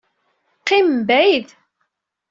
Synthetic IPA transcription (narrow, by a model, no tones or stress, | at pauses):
qːimbæjð